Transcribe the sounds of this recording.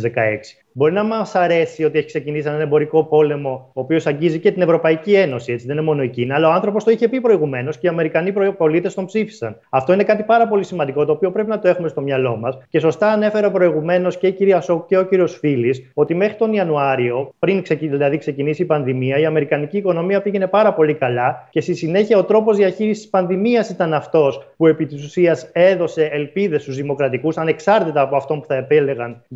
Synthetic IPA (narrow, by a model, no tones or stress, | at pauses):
zðekɐ̰eksi̥ | bo̞ɾinɐmɐsɐɾe̞sio̞t̪ie̞çi̥ksecinisienɐnembo̞ɾiko̞po̞le̞mo̞oːpio̞sɐɲɟizice̞t̪ine̞vɾo̞pɐicie̞no̞sie̞t͡siðenemo̞no̞eciniɐlɐoɐnθɾo̞po̞st̪oiçe̞pipɾo̞iɣume̞no̞sceiɐme̞ɾikɐnipɾopo̞lit̪e̞st̪o̞mpsifi̥sɐnɐft̪o̞ine̞kɐt̪ipɐɾɐpo̞lisimɐnd̪iko̞t̪o̞ːpio̞pɾe̞p̬inɐt̪o̞e̞xume̞st̪omɲɐlo̞mɐsce̞so̞st̪ɐːne̞fe̞ɾɐopɾo̞iɣume̞no̞sceiciɾiɐsokuceo̞ciɾio̞sfiliso̞t̪ime̞xɾit̪o̞niɐnuɐɾio̞pɾiŋksecðilɐðikse̞cinisiːpɐnðimiɐiɐme̞ɾikɐniciːko̞no̞miɐpiʝe̞ne̞pɐɾɐpo̞likɐlɐce̞st̪isine̞çiɐo̞t̪ɾo̞po̞zðiɐçiɾisi̥spɐnðimiɐsit̪ɐnɐft̪o̞spue̞pit̪isusiɐse̞ðo̞se̞ːlpiðe̞st̪uzðimo̞kɾɐt̪ikusɐne̞ksɐɾt̪it̪ɐːpoɐft̪o̞npu̥θɐepele̞ɣɐn